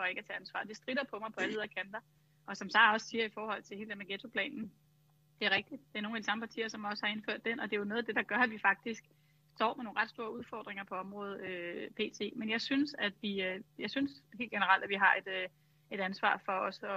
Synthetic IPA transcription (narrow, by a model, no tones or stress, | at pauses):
fɒ̽e̝ɡ̥æt͡sʰɛ̰ːænsʋɑ̰̈ːd̥e̝sd̥ʁiɾɐpʰɒ̽mɑ̈ɪpʰɒ̽lʋeðˠɐkʰænd̥ɐ | ʔɒ̽sɒ̽msɑ̈ɪɒ̽ssiːɐifɒːhɒ̽l̰t͡sʰe̝e̝ːld̥emæɡ̥et͡sʰo̝pʰlɛ̰ːnn̩ | d̥e̝æɐʁeɡ̥̚d̥id̥̚d̥e̝ɐno̝ːŋnædisɑ̈məpʰɑ̈t͡sʰḭːɐsɒ̽mɒ̽səhɑ̈e̝nføɐ̰d̥enɒ̽d̥e̝jo̝no̽ːð̩ˠd̥e̝d̥ɑ̈ɡ̥ɶɐæʋifɑ̈ɡ̥̚d̥isɡ̥ | sd̥ɒ̰ːmeno̝ːn̩ʁɑd̥sd̥o̝ːɐuðˠfɒ̰ːd̥ʁeŋɐpʰɒ̽ɒ̽mʁɔ̽ːð̞̩ˠøpʰe̝̰ːt͡sʰe̝̰ːmenjɑ̈ɪsynsæd̥ʋiøjɑ̈ɪsynshe̝̰ːld̥ɡ̥enəʁɑ̈l̰d̥æʋiɦɑ̈e̝d̥ø | e̝ɾænsʋɑ̰̈ːfɒ̽ɒ̽sɒ̽